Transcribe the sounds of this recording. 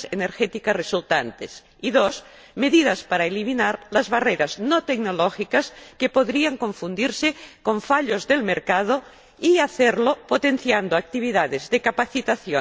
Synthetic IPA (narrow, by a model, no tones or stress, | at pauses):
seneɾxet̪ikaresult̪ant̪es | iðos | meðiðaspaɾaeliminaɾlazβareɾaznot̪eɡnoloxikaskepoðɾiaŋkõ̞ɱfund̪iɾsekoɱfaʎozðelmeɾkað̞o | iaθeɾlopot̪en̟θjand̪oak̚t̪iβ̞iðaðezðekapaθit̪aθjo